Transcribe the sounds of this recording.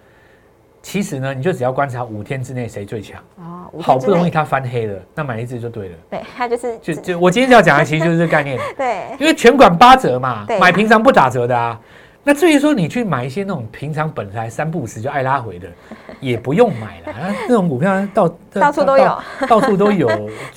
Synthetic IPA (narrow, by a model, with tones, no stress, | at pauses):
t͡ɕʰi˧˥ʂɻ̩˧˦nə˧ni˨t͡ɕo˥˩ʈ͡ʂɻ̩˨˩jɑ˥˩kwa˦nt͡sʰa˨˧˦u˨˩t̪ʰjɛ˦˥nʈ͡ʂɻ̩˥ne˥˩ɪʂe˧˥ɪt͡swe˥˩ɪt͡ɕʰjɑ̰˨˦ŋxɑ˨˩ʊpu˥˩ɻo˧˥ŋi˥˩t̪ʰa˦fa˦˥nxe˥ɪlə˨na˥˩ma˨˩ɪi˥t͡sɹ̩˥˧˨jo˥˧ʊt̪we˥˩ɪlə˩˥˧ | t͡ɕjo˥˧ʊt͡ɕjo˥˧wɔ˨˩t͡ɕi˥nj̩˥˧˩ɑ˥˩t͡ɕɑ˨ŋə˧˩t͡ɕʰi˧˥˧jʂ̩˥˧ka˥˧ɪnjɛ˥˩ni˥nwe˥˩ɪt͡ɕʰɥɛ˧˥nkwa˨˩npa˥t͡sɤ˧˥ma˨˥˧ma˨˩ɪpʰi˧˥ŋt͡sʰɑ˧˥ŋp̬u˥˩t̪a˨˩t͡sɤ˧˥d̪ə˧a˨ | na˥˧t͡swe˥˩y˧˥ʂ̬wɔ˥ni˨˩t͡ɕʰy˥˩ma˨˩ɪi˥ɕ̬jɛ˧˥na˥˩ʈ͡ʂʊ˨˩ŋpʰi˧˥ŋʈ͡ʂʰɑ˧˥ŋpə˨˩nsʰa˨˥ɪsa˥npu˥˨ʂɻ̩˧˩t͡ɕjo˥˧ʊʔa˥˩ɪla˦xwe˧˦ɪd̪ə˨jɛ˨˩pu˨˦jo˥˩ŋma̰˨˩ɪlə˦na˥˧na˥˩ʈ͡ʂʊ˧˥ŋku˨˩pʰjt̪ɑ˥˧ʊ˥˧˥ | t̪ɑ˥˧ʊsu˥˧t̪o˥ʊjo˨˦ʊ